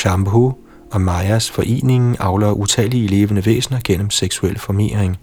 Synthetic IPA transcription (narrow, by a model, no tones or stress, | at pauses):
ɕɑmbo | ɒ̽mɑɪæsfɒ̽ʔe̝̰ːne̝ŋn̩ʔɑ̈ʊlɐʔut͡sʰɛːlile̝ːʋənəʋḛːsnɐɡ̥en̰əm̩seɡ̥suel̰fɒme̝̰ːɐeŋ